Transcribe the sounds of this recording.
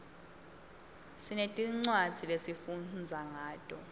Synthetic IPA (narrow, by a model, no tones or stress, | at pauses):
sinetʼiŋ͡ǀwad͡z̥ʱilesifund͡zʱaŋaːd̥ʼɔ